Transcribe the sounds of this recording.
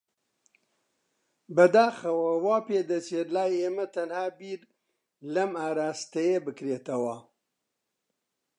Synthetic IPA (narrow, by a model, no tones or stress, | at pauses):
bɐd̪aːxɐwɐwaːpeːd̪ɐt͡ʃeːtlaːjeːmɐt̪ɐnhaːbiːɾ | lɐmaːɾaːst̪ɐjebɨkɾeːt̪ɐwɐ